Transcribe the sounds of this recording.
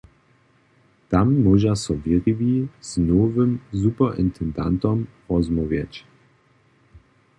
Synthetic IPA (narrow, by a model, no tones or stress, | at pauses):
t̪amːɔʒasɔviʁiviz̥nɔvɘmzupəʔɪnt̪ʰɛnd̪a̰nt̪ɔm | ʁɔzmuvjat͡ɕ